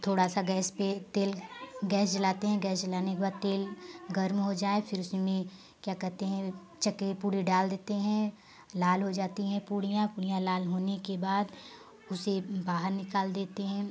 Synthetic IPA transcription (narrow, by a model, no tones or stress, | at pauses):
t̪ʰoːɽasaɡɛːspet̪eːlɡɛːsd͡ʒɐlaːt̪eɦɛ̃ɡɛːst͡ʃɐlaːnekebaːd̪̚t̪eːlɡɐɾmɦod͡ʒaːefʰɪɾʊsmẽ | kjaːkɛɦt̪eɦɛ̃ | t͡ʃɐkepuːɽiɖaːld̪eːt̪eɦɛ̃ | laːlɦod͡ʒaːt̪iɦɛ̃puːɽijãpuːɽijãlaːlɦoːnekebaːd̪ | ʊsebaːɦəɾnɪkaːld̪eːt̪eɦɛ̃ː